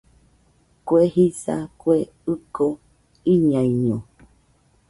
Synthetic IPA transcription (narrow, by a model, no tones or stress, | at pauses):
kwehisa̰kwe | ɨko | iɲãiɲõ